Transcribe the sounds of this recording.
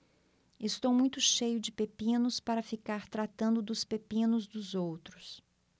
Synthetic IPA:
ɪst̪owmũj̃t̪ʊʃejʊd͡ʒɪpepĩnʊspaɾɐfikaɾt̪ɾat̪ɐ̃nd̪ʊd̪ʊspepĩnʊzd̪ʊzowt̪ɾʊs

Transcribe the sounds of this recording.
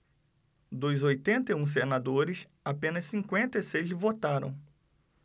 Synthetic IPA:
d̪ojzojt̪ẽnt̪eũs̬enad̪oɾɪs | apẽnɐssĩkwẽnt̪ɐesejzvot̪aɾɐ̰̃w̃

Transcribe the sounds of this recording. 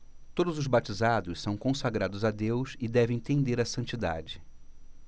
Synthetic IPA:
t̪od̪ʊzʊzbat͡ʃizad̪ʊssɐ̃w̃kõsaɡɾad̪ʊzad̪ewsɪd̪ɛvẽj̃t̪ẽnd̪eɾɐsɐ̃nt͡ʃid̪a̰d͡ʒɪ

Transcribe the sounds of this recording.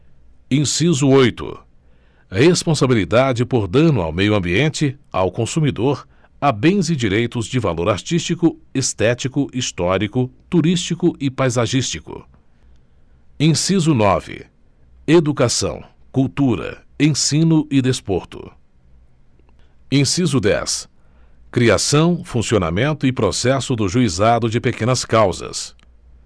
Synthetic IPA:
ẽsizʊojt̪ʊ̰ | hespõsabilid̪ad͡ʒɪpoɾd̪ɐ̃nʊa̰wmejʊɐ̃mbiẽnt͡ʃɪa̰wkõsumid̪oɾ | abẽj̃zɪd͡ʒiɾejt̪ʊzd͡ʒɪvaloɾaɾt͡ʃist͡ʃikʊest̪ɛt͡ʃikʊʔist̪ɔɾikʊt̪uɾist͡ʃikʊʔɪpajzaʒist͡ʃikʊ̰ | ẽsizʊnɔvɪ̰ | ed̪ukasɐ̰̃w̃ | kuwt̪uɾɐ̰ẽsĩnʊʔɪd̪espoɾt̪ʊ̰ | ẽsizʊd̪ɛ̰s | kɾia̰sɐ̃w̃fũsiona̰mẽnt̪ʊɪpɾosɛsʊd̪ʊʒuizad̪ʊd͡ʒɪpekẽnɐskawzɐ̰s

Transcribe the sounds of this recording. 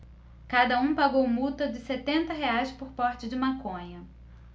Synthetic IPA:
kad̪ɐũpaɡowmut̪ɐd͡ʒɪset̪ẽnt̪ɐɦeajspoɾpɔɾt͡ʃɪd͡ʒɪmakõɲɐ

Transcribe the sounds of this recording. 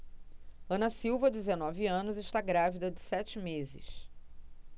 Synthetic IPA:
ɐ̃nɐsiwvɐdɪzenɔviɐ̃nʊzɪʃt̪aɡɾavid̪ɐd͡ʒɪsɛt͡ʃɪmezɪ̰ʃ

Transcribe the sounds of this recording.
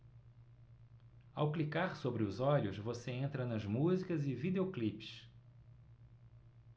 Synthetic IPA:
a̰wklikaɾsobɾɪʊzɔʎʊsvoseẽnt̪ɾɐnɐzmuzikɐzɪvid̪eoklipɪ̥s

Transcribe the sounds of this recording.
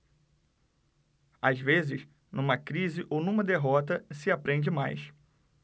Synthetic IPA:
azvezɪs | nũmɐkɾizɪʔownũmɐd̪eɦɔt̪ɐsɪapɾẽnd͡ʒɪmajs

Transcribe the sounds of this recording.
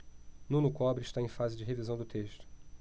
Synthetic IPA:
nũnʊkɔbɾɪʃt̪aẽj̃fazɪd͡ʒɪɦevizɐ̃w̃d̪ʊt̪eʃt̪ʊ̥

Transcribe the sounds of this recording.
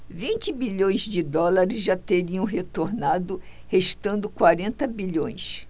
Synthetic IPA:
vĩnt͡ʃɪbiʎõj̃zd͡ʒɪd̪ɔlaɾɪzʒat̪eɾiɐ̃w̃ɦet̪oɾnad̪ʊ | heʃt̪ɐ̃nd̪ʊkwaɾẽnt̪ɐbiʎõj̃s

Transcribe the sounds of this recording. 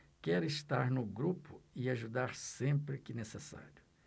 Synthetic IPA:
kɛɾʊɪst̪aɾnʊɡɾupʊɪaʒud̪aɾsẽmpɾɪkɪnesesa̰ɾjʊ

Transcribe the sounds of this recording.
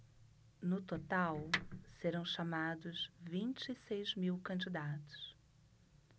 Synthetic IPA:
nʊt̪ot̪awseɾɐ̃w̃ʃamad̪ʊzvĩnt͡ʃɪisejzmiwkɐ̃d͡ʒid̪at̪ʊ̥s

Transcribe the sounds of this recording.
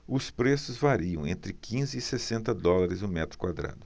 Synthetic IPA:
ʊspɾesʊzvaɾiɐ̃w̃ḛ̃nt̪ɾɪkʰĩzɪːsesẽnt̪ɐd̪ɔlaɾɪzʊmɛt̪ɾʊ̥kwad̪ɾa̰d̪ʊ

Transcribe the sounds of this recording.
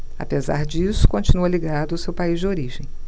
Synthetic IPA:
a̰peza̰ɾd͡ʒisʊ̥kõt͡ʃinuɐliɡad̪ʊʊsewpaizd͡ʒɪoɾiʒẽj̃

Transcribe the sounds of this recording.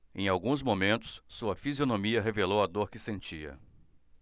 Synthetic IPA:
ḛ̃j̃awɡũzmomẽnt̪ʊ̥ssuɐfizionõmiɐɦevelowɐd̪oɾkɪsẽnt͡ʃiɐ̰

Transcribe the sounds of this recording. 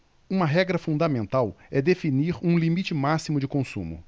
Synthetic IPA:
ũmɐɦɛɡɾɐfũnd̪ɐmẽnt̪awɛd̪efiniɾũlimit͡ʃɪmasimʊd͡ʒɪkõsṵ̃mʊ̰

